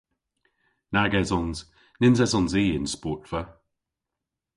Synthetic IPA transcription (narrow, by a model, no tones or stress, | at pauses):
naɡɛzɔnz̥ | nɪnzɛzɔnziːɪ̃nspɔːˑtfə